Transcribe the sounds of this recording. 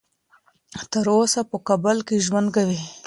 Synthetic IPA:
t̪əɾosapəkabəlkeʒwand̪̚kawi

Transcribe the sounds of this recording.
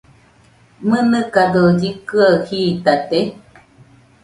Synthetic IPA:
mɨnɨ̃kad̪od͡ʒikɨahiːt̪at̪e

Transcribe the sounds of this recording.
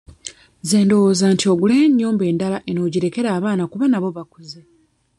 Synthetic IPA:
ze̞ːndowoːzantio̞ɡuleːɲːuːmbe̞ːndalaʔeno̞ːɟiɾe̞ke̞ɾaːβaːnakuβanaβo̞βakuze

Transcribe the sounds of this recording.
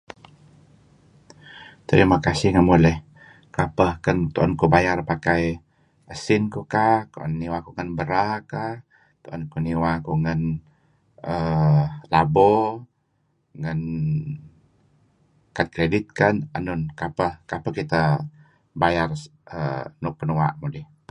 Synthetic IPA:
t̪əɾimakasɪhŋamulɛh | kapəhkənt̪oʔɔnkubajarpakaj | əsɪnkukaht̪oɔ̰nːiwakuŋənbəɾakah | t̪oʔɔnkuniwakuŋən | ʔə | labɔ | ŋən | kat̪̚kɾedɪt̪̚kananʊnkapəhkapəhkit̪ə | bajarə̰nʊk̚pənuaʔmudɛh

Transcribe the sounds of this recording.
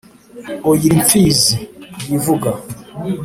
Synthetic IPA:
ojiɾiɱfiːzijivuɡa

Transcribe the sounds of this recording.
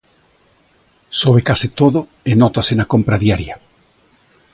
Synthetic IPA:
soβ̞ekasit̪oðo | enɔt̪asenakompɾaðjaɾja

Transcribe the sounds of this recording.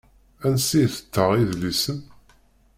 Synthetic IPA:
ænsijθə̥t̪ːəʁiðlisən

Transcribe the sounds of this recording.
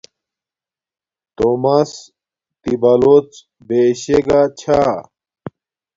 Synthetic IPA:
t̪omɐs | t̪ibɐlot͡s | beɕeɡat͡ɕʰa

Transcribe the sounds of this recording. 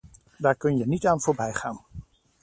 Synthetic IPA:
daːɹkɵnjənitaːnvʊːɹbɛjχaːn

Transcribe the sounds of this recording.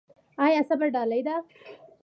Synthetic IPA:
ajasabaɖɑlajd̪a

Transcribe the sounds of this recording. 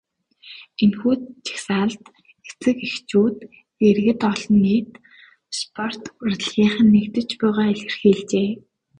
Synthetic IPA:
enxuːt͡ɕʰi̥xsaːɮt̪ | ɡe̥t͡sɘ̆kixt͡ɕuːt̪ | erɣɘ̆t̪ɔɮnːiːt̪ | spʰɔr̥t̪ʊrɮɣʲiːχə̆nːekt̪ɘ̆t͡ɕpæːʁaːeɮɘ̆rxiːɮt͡ɕeː

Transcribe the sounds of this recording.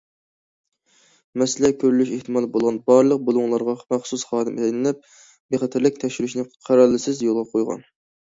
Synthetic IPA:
mɛsɪlɛkʲʰøɾlyʃeht̪ʰɨmɑlˠbolˠʁɑnbɑɾlˠəq̚bolˠuŋlˠɑɾʁɑmæχsusχɑːd̪ɪmʔlɪnɪlɛp̚ | beχɛt̪ʰɪɾlɪk̚ʲt̪ʰɛʃyɾyʃnɪqʰæɾɑlːɪsɪzjolˠʁɑpqʰojʁɑ̰n

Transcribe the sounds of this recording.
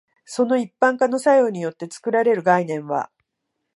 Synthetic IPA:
so̞no̞ipːãŋkano̞sajoɲ̟ijo̞t̪ːe̞t͡sɨ̥kɯ̟ɾaɾe̞ɾɯ̟ɡainẽ̞ɰ̃βa̰

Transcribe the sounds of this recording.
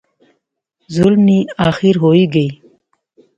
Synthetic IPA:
zulmiaːxiɾɦoːiɡəi

